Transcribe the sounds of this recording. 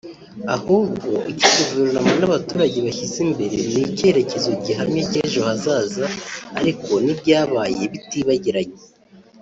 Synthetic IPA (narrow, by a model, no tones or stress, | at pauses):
ahuːbɡoʔiciɡuveɾnamonaβatuːɾaɟeβaçizimbe̞ɾe̞nnice̞ɾe̞ce̞zuɟiɦaɾimiceʒohazaːzaːɾiko̞nibɟaːβaje̞βitiβaɟiɾaɟe